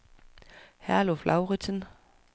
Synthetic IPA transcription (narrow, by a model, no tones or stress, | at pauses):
hæɐloflʔɑ̈ʊʁit͡sʰən